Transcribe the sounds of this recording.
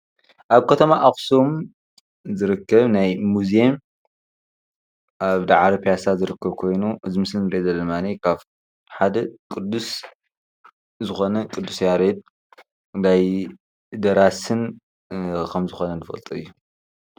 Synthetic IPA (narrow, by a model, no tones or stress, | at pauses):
ʔaβkʰɐt̪ʰɐmaʔaxsom | zɨɾɨkːɐβnajmuzeem | ʔaβd̪aʕɾɐpʰjasazɨɾɨkʰːɐβkʰo̞jnuʔɨzɨmɨslɨnɾed̪ɐlɐmanikʰaβ | ħad̪ɐkʼɨd̪ːus | zɨxo̞nɐkʼɨd̪ːusjaɾed̪̚ | daj | d̪ɐɾasɨn | kʰɐmzɨxonɐnɨfɐ̰lt̪ʼuɨjːu